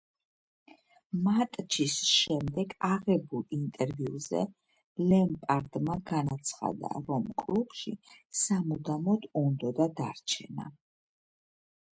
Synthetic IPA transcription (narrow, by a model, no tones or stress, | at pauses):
mat̪ʼt͡ʃʰisʃɛmd̪ɛɡaʁɛbulˠint̪ʼɛɾviuzɛ̰ | lɛmpʼaɾd̪maɡanat̪sʰχa̰d̪a̰ɾɔmkʼlˠupʰʼʃḭsamud̪amɔd̪und̪ɔd̪ad̪aɾt͡ʃʰɛ̰na